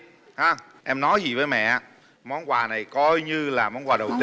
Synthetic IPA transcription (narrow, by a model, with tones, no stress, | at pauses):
haː˨˧ | ʔɛ˧mnɔ˨˦jzi˨˩vəː˨˦jmɛ̰˧˨aː˧ | mɔ˨˦nkwaː˨˩na˨˩jkɔ˧jɲɨ˧laː˨˩mɔ˨˦nkwaː˨˩ɗə˨˩wt̪i˧